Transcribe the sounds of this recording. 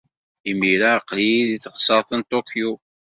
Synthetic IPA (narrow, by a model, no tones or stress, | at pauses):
imiɾaqːliiðiθəqsˤɑɾˤθənt̪ˤokju